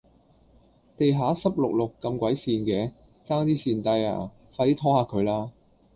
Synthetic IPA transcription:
t̪e˨jɦaː˨˥sɐ˥p̚lʊ˨k̚lʊ˨kːɐ˧mkʷɐ˨˥jsiː˧nkɛː˨˧ | t͡saː˥ŋt̪iː˥siː˨nt̪ɐ˧ja̰ː˨˩ | faː˧iː˥t̪ʰɔː˥haː˨˧kʰɵ˨˧ɥlaː˥

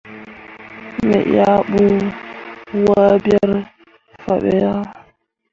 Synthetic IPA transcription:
mɛ̰˨ʔa˦ɓu˦ | wa˦bja˦ɾ | fa̰˨ɓɛ˦ja˦

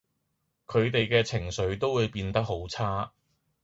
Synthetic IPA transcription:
kʰɵ˨˧ɥt̪e˨jkɛː˧t͡sʰɪ˨˩ŋsɵ˨˥ɥt̪o˥wwuː˨˧jpiː˧nt̪ɐ˥k̚ɦo˨˥wt͡sʰaː˥

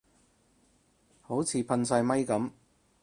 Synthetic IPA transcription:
ho˨˥wt͡sʰiː˨pʰɐ˧nsɐ˧jmɐ˥jkɐ˨˥m

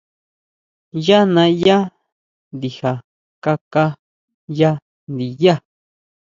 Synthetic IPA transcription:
ja˦nã˧ja˦ | nd̪i˨ha˨ | ka˦˧ka˦ | ja˦ | nd̪i˨ja˦˨

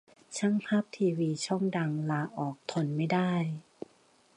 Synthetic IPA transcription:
t͡ɕʰa˥˨ŋpʰaː˥˩p̚t̪ʰiː˧wiː˧t͡ɕʰɔ˥˩ŋda˧ŋlaː˧ʔɔː˨˩k̚t̪ʰo˧˩nma˥˩jdaː˥˩j

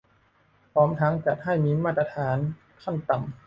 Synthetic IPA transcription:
pʰɔː˦˥mt̪ʰa˦˥ŋt͡ɕa˨˩t̪̚ɦa˥˩jmiː˧˥maː˥˩t̪̚ːɾa˧t̪ʰaː˩˦n | kʰa˥˩nt̪a˨˩m

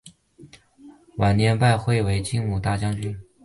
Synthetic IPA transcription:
wa˨˩nnjɛ˧˥npa˥˧ɪxwe˥˩ɪwe˧˥ɪt͡ɕi˥ŋmu˨˩t̪a˥˩t͡ɕjɑ˥ŋt͡ɕy˥n

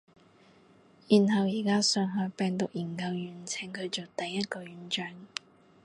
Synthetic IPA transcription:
jiː˨˩nɦɐ˨wjiː˨˩kaː˥sœː˨˧ŋɦɔː˨˧jpɛː˨ŋt̪ʊ˨k̚jiː˨˩nkɐ˧wjyː˨˩nt͡sʰɪ˨˩ŋkʰɵ˨˧t͡so˨wt̪ɐ˨jːɐ˥t̚kɔː˧jyː˨˥nt͡ʃœː˧ŋ

